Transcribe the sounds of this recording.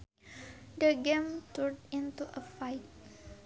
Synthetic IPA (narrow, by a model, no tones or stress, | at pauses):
dəɡẽmtudĩntuʔəfajt̚